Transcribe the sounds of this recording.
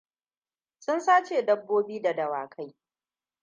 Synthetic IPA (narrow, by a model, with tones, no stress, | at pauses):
sʊ˦nsaː˦t͡ʃeː˨dɐ˦bːoː˦biː˦da˨dɐ˨wa̰ː˨kʰa˦j